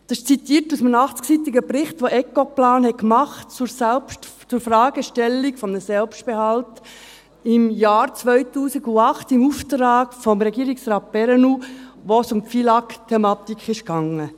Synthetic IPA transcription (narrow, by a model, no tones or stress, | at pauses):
d̪̥ɑʃt͡sit̪iːɾtusmənɑχt͡sksit̪iɡəpɾɪχt̪ʋoʔɛkoplaːnhɛkmɑχtt͡suɾsɛlpʃtt͡sʊɾfrɑːɡ̥əʃtɛlːikfɔmnəsɛlpʃt̚b̥ehɑlt | ɪmjaːɾt͡sʋœʏtuːsiɡuɑχtɪmuft̪ɾaːɡ̥fɔmɾɛɡiːɾiksrɑːt̚b̥ɛɾɛnuʋosʊmpfilɑktʰɛmɑːt̪ikχɪʃkɑŋə